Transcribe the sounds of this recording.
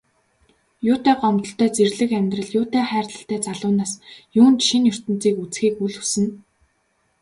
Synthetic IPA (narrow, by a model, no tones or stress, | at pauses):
jʊːt̪æːɢɔmt̪ɞ̆ɬt̪ʰæːt͡serɮɘ̆kæmʲt̪rə̆ɮjʊːt̪æːχæːrt̪ə̆ɬt̪æːt͡saɮʊːnaːsjuːnt͡ɕʃinjʊr̥t̪ɘ̆nt͡siːkut͡sxiːkuɮxusɘ̆n